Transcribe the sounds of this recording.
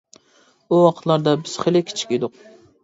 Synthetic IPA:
uɑqʰt̪lˠɑɾd̪ɑbɪz̥χelɪkʲʰi̥t͡ʃʰi̥kʲed̪ʊq̚

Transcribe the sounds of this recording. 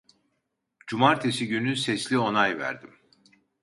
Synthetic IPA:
d͡ʒumaɾt̪ʰesiɟynysɛslʲio̞najvæ̰ɾd̪im

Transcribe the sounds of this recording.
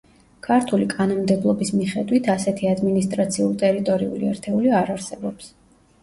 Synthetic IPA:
kʰaɾt̪ʰulikʼanɔmd̪ɛblˠɔbismiχɛd̪wit̪ʰasɛt̪ʰiad̪minist̪ʼɾat̪sʰiulˠt̪ʼɛɾit̪ʼɔɾiṵliɛɾt̪ʰɛuliaɾaɾsɛbɔps

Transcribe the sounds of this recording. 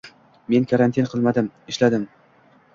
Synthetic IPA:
me̞nkʰaɾant̪ʰinqʰɨlˠmad̪ɪmɪʃlad̪ɪm

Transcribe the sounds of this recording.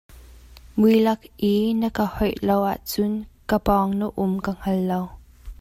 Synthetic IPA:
mujlɐk̚ʔinəkahɔjlowʔa̰ʔt͡sʊnkəpɔŋnəʔʊmkəŋ̥ɐlːow

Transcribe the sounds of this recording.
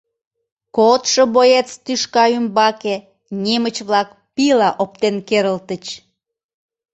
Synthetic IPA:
kot̪ʃəbojet͡st̪yʃkɑymbɑke | nʲemət͡ɕβlɑk | pilɑʔop̚t̪enkeɾəlt̪ət͡ɕ

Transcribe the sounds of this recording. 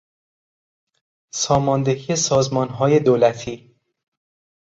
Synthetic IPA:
sɒːmɒːnd̪eɦiːesɒːzmɒːnɦɒːje̞d̪oːlæt̪ʰiː

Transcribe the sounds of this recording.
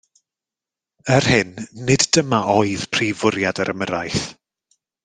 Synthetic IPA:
ər̥hɪnːɪddəmaʔɔɨð̥pʰr̥ivʊɾjadəɾʔəməɾajθ

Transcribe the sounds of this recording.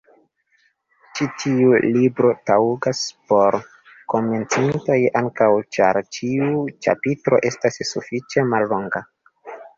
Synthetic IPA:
t͡ʃitʰiulibɾo̞tauɡaspo̞ɾ | ko̞me̞nt͡sinto̞jaŋkawt͡ʃa̰ɾt͡ʃiut͡ʃa̰pitɾo̞̰ʔe̞stasːufit͡ʃe̞malːo̞ŋɡa

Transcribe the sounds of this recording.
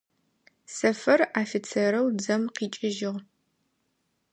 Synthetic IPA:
sɐfɐraːfit͡sʰeːɾɐwd͡zɐmqiːt͡ʃʼɪʒɪʁ

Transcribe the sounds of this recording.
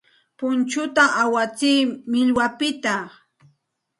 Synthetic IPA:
pʊnt͡ʃʊt̪aʔawat͡siːmɪʎwapɪt̪a

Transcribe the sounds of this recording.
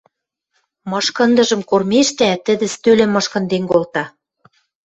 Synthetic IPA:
mɤ̆ʃkɤ̆nd̪ɤ̆ʒɤ̆mkormeʃt̪æt̪ə̆d̪ɘ̆st̪ølĕmːɤ̆ʃkɤ̆nd̪enkolt̪ɑ

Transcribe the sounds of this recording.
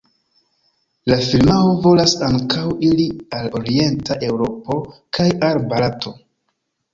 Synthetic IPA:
lafilmaovo̞lasaŋkawilialo̞ɾie̞ntaʔe̞wɾo̞po̞kajalbalatʰo̞

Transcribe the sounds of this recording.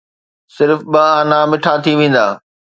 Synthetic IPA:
sɪɾfɓɐɦaːnaːmɪʈʰat̪ʰiʋẽːn̆d̪aː

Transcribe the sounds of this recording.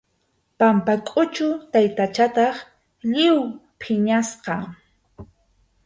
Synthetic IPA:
pampakʼʊt͡ʃʊt̪ajt̪at͡ʃat̪ɑχ | ʎɪwpʰɪɲasqɑ

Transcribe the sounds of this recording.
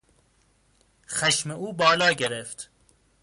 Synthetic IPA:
xæʃmeʔuːbɒːlɒːɟeɾeft̪

